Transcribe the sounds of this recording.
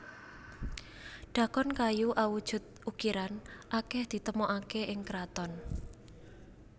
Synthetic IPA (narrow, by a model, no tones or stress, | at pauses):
ɖ̥ä̤kɔnkajuʔawud̥ʒ̥ʊ̤t̪̚ukiɾanʔakɛhd̪̥i̤t̪əmɔʔakeʔɪŋkɾat̪ɔn